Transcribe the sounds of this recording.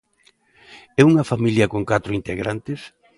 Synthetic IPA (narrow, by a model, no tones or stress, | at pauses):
ɛuŋɐfamiljɐkoŋkat̪ɾʊint̪eɣɾant̪ɪs